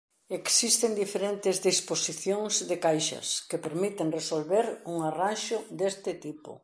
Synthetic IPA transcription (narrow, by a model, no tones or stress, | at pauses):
eksist̪end̪ifeɾent̪ɪzðisposiθjoŋzðekajʃɐ̰skepeɾmit̪eŋresolβeɾuŋaranʃʊd̪est̪ɪt̪ipʊ̰